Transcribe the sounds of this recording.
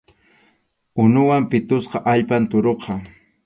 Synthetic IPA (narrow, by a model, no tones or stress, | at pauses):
ʊnʊwampɪt̪ʊsqɑʔaʎpant̪ʊɾoqɑ